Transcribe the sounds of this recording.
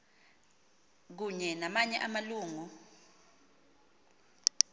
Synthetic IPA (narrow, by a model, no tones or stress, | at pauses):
k̬uɲɛnamaɲɛʔamaluːŋu